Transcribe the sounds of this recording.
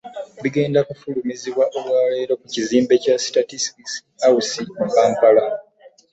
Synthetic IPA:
βiɡe̞ːndakufulumiziβwaʔo̞βwaːle̞ːɾo̞kuciziːmbe̞casi̥tatisi̥kis | ausimupaːŋkala

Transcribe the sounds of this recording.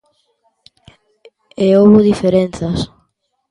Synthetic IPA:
eoβʊðifeɾenθɐs

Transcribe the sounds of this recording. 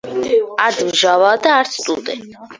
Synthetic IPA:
ad̪vʒavaːd̪aːɾt̪sʰt̪ʼuld̪ɛ̰nt̪ʼ

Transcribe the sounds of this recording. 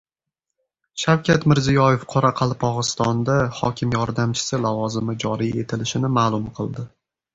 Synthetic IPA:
ʃawkʲʰat̪mɪɾzijɒje̞fqʰɒɾaqʰɑlˠpʰɒʁɨst̪ɒnd̪ahɒ̰kʲʰɪmjɒɾd̪amt͡ʃʰɪ̥sɪlavɒzɪmɪd͡ʒɒɾije̞t̪ʰɪlɪʃɪnɪmaːlˠʊmqʰɨlˠd̪ɪ

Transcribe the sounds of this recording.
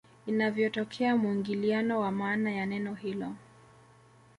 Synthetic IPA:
inavjɔtɔkʰɛamuiŋɡilianɔwamaːnajanɛnɔhilɔ

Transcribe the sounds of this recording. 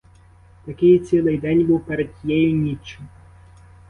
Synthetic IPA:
t̪ɐkʲɪjt͡sʲilˠɪjd̪ɛnʲbuwpɛɾɛd̪jɛjʊnʲit͡ʃːɪm

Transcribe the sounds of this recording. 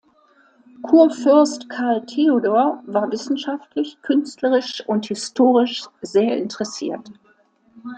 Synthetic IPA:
kʰuːɐfʏɐstkʰaɐltʰeodoːɐvaːɐvɪsn̩ʃaftlɪçkʰʏnstləʁɪʃʊnthɪstʰoːʁɪʃz̥eːɐʔɪntəʁɛsḭːɐt

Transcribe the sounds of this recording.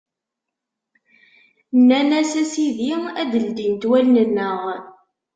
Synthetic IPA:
nːænæsæsiðiæd̪əld̪int̪wælnənːəʁ

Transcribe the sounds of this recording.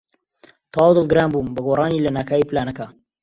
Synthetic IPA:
t̪ʰɑːwd̪ɨlˠɡɨɾaːnbuːmbɐɡoːrˤɑːniːlɐnaːkʰaːiplaːnɐkɐ

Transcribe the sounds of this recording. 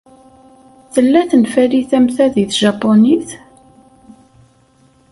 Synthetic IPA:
θəlːæθənfæliθæmθæðiθʒɑpːoniθ

